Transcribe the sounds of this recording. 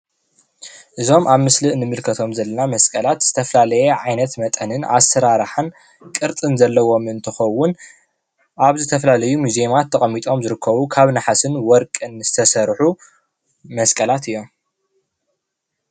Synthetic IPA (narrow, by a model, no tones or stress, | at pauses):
ʔɨzo̞mʔaβmɨslɨnɨmɨlkʰɐt̪ʰo̞mzɐlːɐnamɐskʼɐlat̪z̥ɨt̪ʰɐfɐlalɐjeʕajnɐt̪mɐt̪ʼɐnɨnʔa̰sɐɾaɾħan | kʼɨɾt̪ʼɨnzɐlːɐwo̞mɨnt̪ʰɨxɐwːʊn | ʔaβzɨt̪ʰɐfɐlalɐjumuziemat̪ʰːɐχʼɐmːit̪ʼo̞mzɨɾɨkʰːɐβukʰaβnaħasɨnwɔɾkʼɨnɨz̥ɨt̪ʰɐsɐɾħu | mɐskʼɐlat̪ɨjːo̞m